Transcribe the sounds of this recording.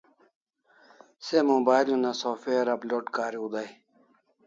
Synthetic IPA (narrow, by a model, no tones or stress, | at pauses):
semobaːjlmenasoːfeːɐɾɐploːʈkaːɾiud̪aj